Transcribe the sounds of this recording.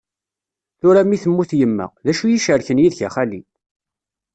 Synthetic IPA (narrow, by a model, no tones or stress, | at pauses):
θʊɾæmiθəmːuθjəmːə̰ʁðæʃujiʃəɾçənjiðçaχalḭ